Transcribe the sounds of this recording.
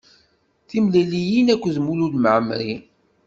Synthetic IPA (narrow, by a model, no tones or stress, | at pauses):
θimlælijinækʷːðmululməʕmɾi